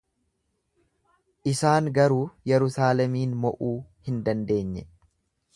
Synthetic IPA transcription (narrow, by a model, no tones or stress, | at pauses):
ʔɪsaːŋɡɐɾuːjɛɾʊsaːlɛmiːnmɔʔuːhɪnd̪ɐnd̪e̞ːɲːɛ